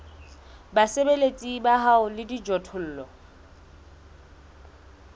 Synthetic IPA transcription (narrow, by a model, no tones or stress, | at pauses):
basebelet͡sʼibaɦaʊlɪdid͡ʒɔtʰʊl̩ːlɔ